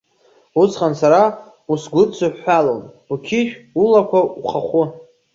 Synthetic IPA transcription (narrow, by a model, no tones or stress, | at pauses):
ut͡sʰχansaɾa | usɡʷʊt͡sʰaħːalon | ukʲʰɪʃᶣulakʷauχaχʷʊ